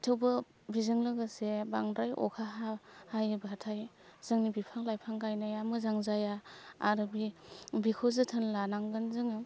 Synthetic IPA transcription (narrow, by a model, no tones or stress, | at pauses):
tʰɯwbɯ | bizɯŋlɯɡɯsebaŋdɾajʔɔ̰kʰaɦahajbatʰaj | z̥ɯŋnibipʰaŋlajpʰaŋɡajnajamɯzaŋzajaa̰ɾɯbibikʰozɯtʰɯnlanaŋɡɯnzɯŋɯ